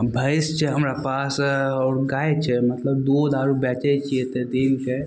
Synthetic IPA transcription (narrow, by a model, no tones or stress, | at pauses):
bʱəɪst͡ʃʰɛɦɐmɾapaːsɔːɾɡaːet͡ʃʰɛmɐt̪ləb̚d̪oːd̪aːɾubɛːt͡ʃət͡ʃʰiet̪ed̪eːnt͡ʃʰɛ